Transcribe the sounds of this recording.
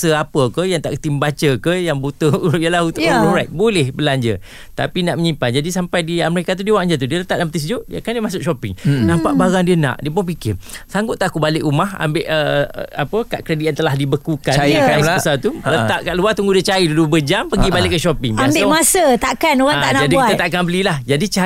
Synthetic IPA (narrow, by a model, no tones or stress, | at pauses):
səapəkəjaŋt̪a̰ʔkə̥t̪iməbat͡ʃəkəjaŋbut̪əjəlahunt̪ʊʔluɾajʔ̚bolɛhbəlaɲd͡ʒə̰ | t̪a̰pinaʔməɲimpand͡ʒadisampajdiaməɾekat̪̬udiəwaʔɲd͡ʒət̪̬udiələt̪aʔ̚dampət̪is̬d͡ʒuʔdiəkandiəmãsʊʔ̚ʃɔpɪŋnãmpaʔbaɾaŋdiənã̰ʔdiəp̬ʊŋpikɪrsaŋɡʊt̪ːakubalɪkumaha̰mbɪʔə̰a̰pəkaʔkɾediant̪əlahdibəkukanaəsat̪ulət̪aʔkaʔluat̪uŋɡudiət͡ʃaɾidudubəd͡ʒampəɡibalɪʔkːəʃɔpɪŋmambɪʔmasət̪aʔkanoɣat̪a̰ʔnad͡ʒadbikuiat̪ət̪aʔkanbəlilahd͡ʒadit͡ʃa